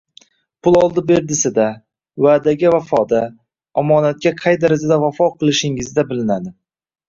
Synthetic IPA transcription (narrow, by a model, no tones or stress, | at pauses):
pʰʊlˠɒlˠd̪ɪbe̞ɾd̪ɪsɪd̪a | waːd̪aɡʲavafɒd̪a | ɒmɒnat̪̚kʲaqʰɑjd̪aɾad͡ʒad̪avafɒqʰɨlˠɪʃɪŋɪzd̪abɪlɪnad̪ɪ